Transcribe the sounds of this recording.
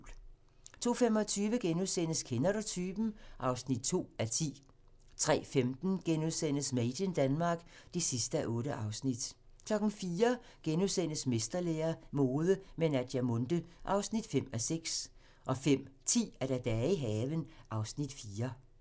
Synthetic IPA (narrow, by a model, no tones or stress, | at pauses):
l | t͡sʰo̝̰ːfemɒ̽t͡sʰyːʋəɡ̥enuðˠsen̰əskʰenɐɾot͡sʰyb̥n̩ʔɑ̈ʊsnid̥̚t͡sʰo̝̰ːæt͡sʰḭː | t͡sʰʁɛ̰ːfemd̥n̩ɡ̥enuðˠsen̰əsmed̥ənd̥ænmɑ̈ːɡ̥d̥esisd̥əæʔɔ̽ːɾəʔɑ̈ʊsnid̥ | kʰlɒ̽ɡ̥n̩fiːɐ | ɡ̥enuðˠsen̰əsme̝sd̥ɐleːɐmo̝ːð̞ˠəmenæd̥jæmɔnd̥əʔɑ̈ʊsnid̥fem̰æseɡ̥s | ʔɒ̽fem̰t͡sʰḭːæɐɾ̥æd̥ɛiɦɛːʋənʔɑ̈ʊsnid̥fiːɐ